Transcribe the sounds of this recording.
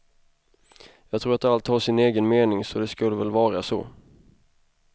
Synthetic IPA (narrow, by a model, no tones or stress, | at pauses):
jɑːɡ̚t̪ʰɾuːɾat̪alt̪hɑʂɪneːɡənmeːnɪŋsɔd̪ɛskɵlːəvɛlvɑːɾasɔ̰